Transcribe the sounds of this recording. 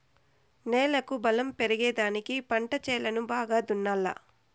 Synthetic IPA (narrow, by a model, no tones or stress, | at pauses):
nɛːlɐkubɐlɐmpeɾɐɡɛːd̪aːnikipɐɳʈɐt͡ʃɛːlɐnubaːɡaːd̪unːaːlːɐ̰